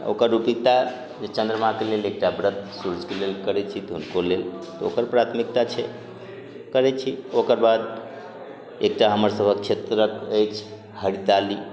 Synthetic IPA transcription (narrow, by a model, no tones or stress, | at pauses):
o̰kəɾːupik̚t̪a | d͡ʒet͡ʃə̃nd̪ɾəmãkelelek̚ʈabɾət̪̚ʰsuɾud͡ʒkelelkəɾɛt͡ʃʰit̪ɔɦunkolelt̪ɔo̰kəɾpɾat̪ʰmik̚t̪at͡ʃʰɛ | kəɾɛt͡ʃʰiokəɾbad̪ | ek̚ʈaɦəməɾsəbʱək̚t͡ʃʰet̪ɾəkəjt͡ʃʰ | həɽit̪ali